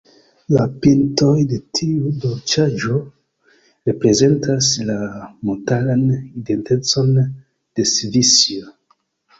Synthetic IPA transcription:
lapintojde̞tʰiudot͡ʃad͡ʒo | ɾe̞pɾe̞ze̞ntʰaslamotalanidente̞t͡so̞n | d̥e̞svisio

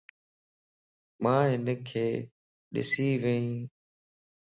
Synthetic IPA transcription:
mãːɦɪnəkʰeː | ɗɪ̰siːʋeĩː

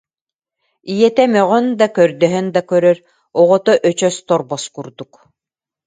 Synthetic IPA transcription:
ijɛt̪ɛmœʁœnd̪akœɾd̪œɦœnd̪akœɾœɾ | ɔʁɔt̪ɔʔœt͡ɕœst̪ɔɾbɔskuɾd̪uk

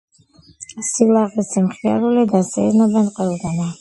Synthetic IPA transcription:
silˠaʁisimχia̰ɾulid̪asɛ̰ɾnɔbɛnqʼwɛlˠɡ̪ana

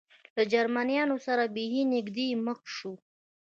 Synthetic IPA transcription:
lad͡ʒaɾmanijɑnosaɾabiɦinɪɡd̪eməkʃu

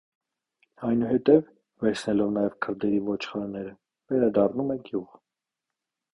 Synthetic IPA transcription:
ɑjnuɦɛt̪ɛv | vɛɾt͡sʰnɛlɔvnɑjɛvkʰəɾd̪ɛɾivɔt͡ʃʰχɑɾnɛɾə | vɛɾɑd̪ɑrnumɛɡjuʁ

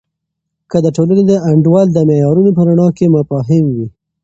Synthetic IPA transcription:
kəd̪əʈolaned̪əaɳɖwɑld̪əmejɑɾunop̬əɾaɳɑkemafɑɦɪmwi

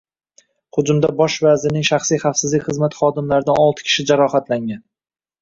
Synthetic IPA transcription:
χʊd͡ʒʊmd̪abɒʃvazɪnɪŋʃaχsijχafsɪzlɪkʲχɨzmat̪χɒd̪ɪmlaɾɪd̪anɒlˠt̪ʰɪ̥kʲʰɪ̥ʃɪd͡ʒaɾɒχat̪laŋʲan

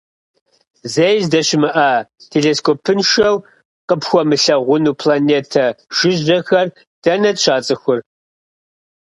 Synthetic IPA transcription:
zejzdɐʃɪmɨʔɐtʰeɮeːskʰopʰɨnʃɐw | qʼəpxʷɔmɨɬɐʁʷʊnuːpʰlaneːtʰɐʒ̥ɪʒɐxɐr | d̥ɐnɐɕʷʰaːt͡sʼɨxʷʊr

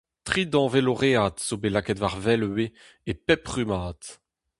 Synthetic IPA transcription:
t̪χid̪ɑ̃veloʁeat̪sobelakɛt̪vaʁvɛlwe | epɛpʁymaːt̪

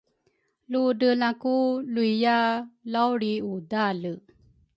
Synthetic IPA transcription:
ludəlakuluijalawɾiudalə

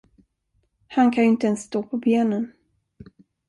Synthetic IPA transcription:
hankʰanjʏɪnt̪əɛnsːt̪oːpʰɔbeːnən

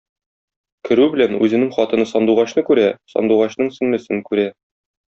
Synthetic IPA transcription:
kɘ̆ɾʉbɘ̆lænʉzɘ̆nɘŋχɒt̪ɤ̆nɤsɒnd̪uʁɑɕnɤkʉɾæsɒ̰nd̪uʁɑɕnɤɴsɘ̆nmɘ̆sɘnkʉɾæ

